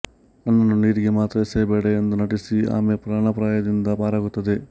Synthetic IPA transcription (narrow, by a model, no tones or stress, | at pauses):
ɐnːɐnːuniːɾiɡimaːt̪ɾɐseːbɛːɽɐjend̪unɐʈisia̰ːmepɾaːɳɐpɾaːjɐd̪ind̪ɐpaːɾɐɡut̪ɐd̪i